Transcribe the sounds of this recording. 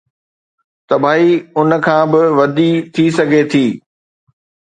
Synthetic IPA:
t̪ɐbʱaːiʊn̆kʰãːbɪʋɐd̪it̪ʰisɐɡʱet̪ʰiː

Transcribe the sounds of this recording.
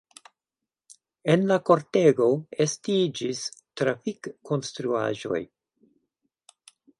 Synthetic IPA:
e̞nlako̞ɾteɡo̞estid͡ʒistɾafikʰːo̞nstɾua̰ʒo̞̰j

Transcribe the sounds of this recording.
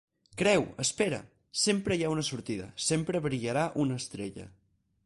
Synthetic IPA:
kɾɛwəspeɾə̰ | sempɾəjaunəsuɾt̪iðə̰sempɾəβɾiʎəɾaʔunəst̪ɾeʎə̰

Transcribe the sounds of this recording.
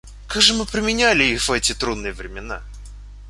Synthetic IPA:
kaɡʐɨmɨpɾʲɪmʲɪnʲælʲɪixvɛtʲɪt̪ɾud̪nɨjəvɾʲɪmʲɪna

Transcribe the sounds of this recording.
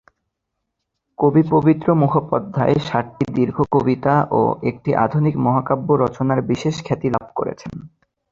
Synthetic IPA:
kobipobit̪ːɾomukʰopːɔd̪ʱːaeʃaɾʈid̪iɾɡʱokobit̪aʔo̰ek̚ʈiʔa̰d̪ʱunikmɔɦakabːoɾɔt͡ɕonaɾbiʃeʃkʰɛt̪ila̰b̚ko̰ɾḛt͡ɕʰen

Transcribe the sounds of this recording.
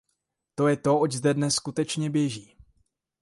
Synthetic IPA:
t̪o̞jɛt̪o̞oczdɛdnɛsːkut̪ɛt͡ʃɲɛbjɛʒiː

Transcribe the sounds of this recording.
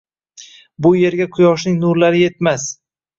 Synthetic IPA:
bʊje̞ɾɡʲakʰʊjɒʃ̬nɪŋnʊɾlaɾɪje̞t̪mas

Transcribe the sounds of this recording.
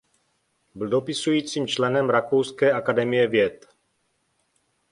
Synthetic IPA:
bɪldo̞pɪsujiːt͡siːmt͡ʃlɛnɛmɾakowskɛːʔakadɛmɪjɛvjɛt̪

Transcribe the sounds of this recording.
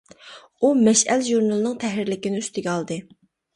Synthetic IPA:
umɛʃælʒuɾnɑlˠnɨŋt̪ʰɛɦɪɾlɪkʲinɪyst̪ʰɪɡʲɛɑlˠd̪ɨ

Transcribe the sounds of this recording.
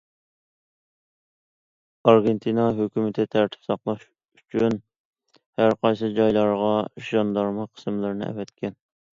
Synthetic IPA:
ɑɾɡʲent̪ʰinɑɦøkʲymɪt̪ʰɪt̪ʰæɾt̪ʰɪ̥psɑqlˠɑʃ | yt͡ʃʰyn | hæɾqʰɑjsɨd͡ʒɑjlˠɑɾʁɑʃjɑnd̪ɑɾmɑqʰə̥smlˠɪɾnɪ̰ʔɛ̰vɛt̪kʲʰɛn

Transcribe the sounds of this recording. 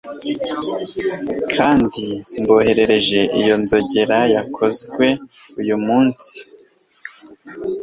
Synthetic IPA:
kʰaːndimbo̞ːhe̞ɾe̞ɾe̞ʒe̞ʔijo̞nzo̞ɟe̞ɾajakʰo̞zɡwe̞ | ujumuːnsi̥

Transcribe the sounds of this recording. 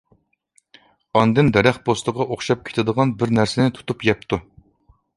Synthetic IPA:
ɑnd̪ɨnd̪ɛɾæχbost̪əʁɑʔoχʃɑp̚kʲʰe̥t̪ʰɪd̪əʁɑnbɪɾnæɾsɪnɪt̪ʰu̥t̪upjɛp̚t̪ʰu

